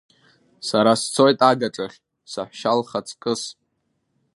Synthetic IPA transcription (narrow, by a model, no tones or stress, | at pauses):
saɾast͡sʰo̞jtʼaɡaʈ͡ʂʼaχʲ | sa̰ħʷʃalχat͡sʰkʼɨs